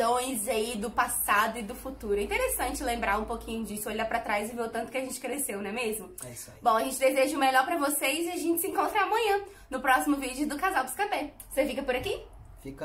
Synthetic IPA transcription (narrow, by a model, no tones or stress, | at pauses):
õj̃zaid̪ʊpasad̪ʊɪd̪ʊfut̪uɾʊɛĩt̪eɾesɐ̃nt͡ʃɪlẽmbɾaũpokʰĩɲʊd͡ʒisʊoʎapɾɐt̪ɾajzɪvewt̪ɐ̃t̪ʊ̥kɪaʒẽnt͡ʃɪ̥kɾesewnɛmezmʊ | s | bõɐʒẽnt͡ʃɪd̪ezeʒɐʊmeʎɔɾpɾɐvosezɪaʒẽt͡ʃɪsɪĩŋkõnt̪ɾɐaːmɐ̃ɲɐ̃ | nʊpɾɔsimʊvid͡ʒʊd̪ʊkazawkɪskɐ̃pɛ | osefikɐpʊɾaki | fik